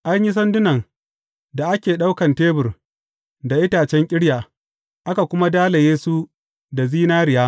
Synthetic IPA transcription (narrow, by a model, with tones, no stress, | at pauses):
ʔa˦ɲji˦s̬ɐ˦ndʊ˦nɐ˨ŋ | da˨ʔa˦kʲeː˨ɗa˦wkɐ˨nteː˦bʊ˨r | da˨ʔɪ˦taː˨t͡ʃɛ˦ŋkʲʼɪ˦ɽjaː˨ | ʔa˦ka˨kʷʊ˦ma˦daː˦la˨jeː˦su˦ | da˨ziː˦naː˦ɾɪ˨jaː˦